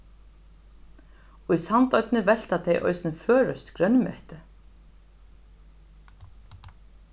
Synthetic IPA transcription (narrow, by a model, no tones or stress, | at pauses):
ujsant̪œɥt̪nɪvɛl̥t̪at̪ʰejʔɔ̰jsɪnfœːɾœst̪kɾœnːmɛ̰ht̪ɪ